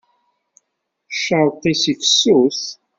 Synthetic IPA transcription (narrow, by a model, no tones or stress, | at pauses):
ʃawqːisifəsːuθ